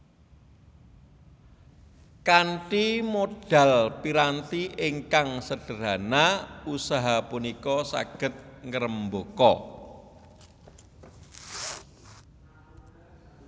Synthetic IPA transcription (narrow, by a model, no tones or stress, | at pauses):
kaɳʈimoɖ̥a̤lpiɾant̪iʔɪŋkaŋsəɖ̥ə̤ɾanausaɦapunikɔsa̰ɡ̥ə̤t̪̚ŋəɾəmbokɔ